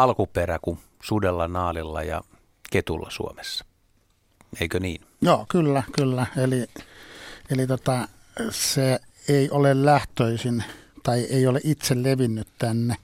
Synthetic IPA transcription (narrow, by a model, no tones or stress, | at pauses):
ɑlkuperæku | sudelːɑnɑːlilːɑ̰jɑ̰ | ket̪ulːɑsṵomesːɑ̥ | eikøniːn | joːkylːækylːæeli | elit̪ot̪ɑ | se | eˑiʔolellæht̪øˑisint̪ɑiʔeˑioleʔit̪selleʋinːyt̪t̪ænːe